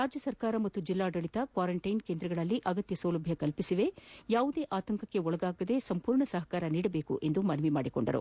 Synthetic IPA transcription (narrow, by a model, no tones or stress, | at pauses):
ɾaːd͡ʒjɐsɐɾkaːɾɐmɐt̪ːud͡ʒilːaːɖɐɭit̪ɐkʋaːɾɐɳʈɐjnkeːnd̪ɾɐɡɐɭɐlːiʔɐɡɐt̪jɐsɐːlɐbʱjɐkɐlpisiʋe̞jaːʋud̪e̞ːʔaːt̪ɐŋkɐkːe̞ɔɭɐɡaːɡɐd̪e̞sɐmpuːɾɳɐsɐɦɐkaːɾɐniːɽɐbe̞ːkṵʔe̞nd̪umɐnɐʋima̰ːɽiko̞̰ɳɖɐ̰ɾṵ